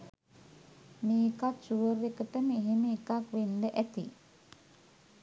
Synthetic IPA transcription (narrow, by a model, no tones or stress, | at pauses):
miːkakʃuʋərekəʈəməiɦiməikakʋend̪əʔæt̪ḭ